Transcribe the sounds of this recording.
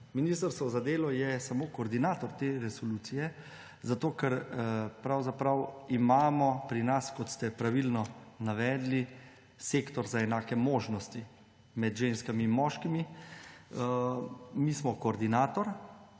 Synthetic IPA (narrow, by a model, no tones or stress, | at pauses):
minist̪əɾst̪ʋɔzad̪eːlɔjɛsamoːkoːɾd̪inaːt̪ɔɾt̪eɾɛsɔluːt̪sijɛ | zat̪oːkɛɾpɾawzapɾawimaːmɔpɾinaskɔt̪st̪ɛpɾaʋilnɔnaʋɛːd̪li | sekt̪ɔɾzaɛnaːkɛmoːʒnɔst̪i | mɛd̪ʒenskamiːnmɔːʃkimi | mismɔkɔːɾd̪inaːt̪ɔɾ